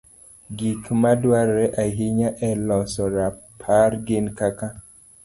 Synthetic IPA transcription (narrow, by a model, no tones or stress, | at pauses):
ɡikmadwaɾɛʔaɦiɲaʔɛlɔsɔɾapʰarɡɪnkaka